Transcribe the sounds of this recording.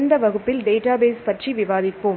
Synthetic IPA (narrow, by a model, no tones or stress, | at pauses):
nd̪ɐʋɐɣɯpːɪlɖeːʈaːbeːspɐʈriʋɪʋaːðɪpːɯm